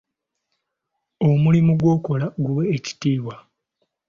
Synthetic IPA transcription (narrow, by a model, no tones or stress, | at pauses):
o̞mulimuɡwo̞ːko̞laɡuweːci̥tiːwa